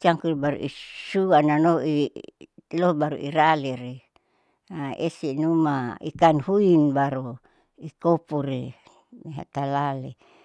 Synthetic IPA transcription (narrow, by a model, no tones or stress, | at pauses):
t͡ʃaŋkulbaɾṵʔisuananoi | lobaɾṵʔiɾaleɾi | aesinumaḭkanhuinbaɾu | ikopuɾi | meɦa̰t̪alale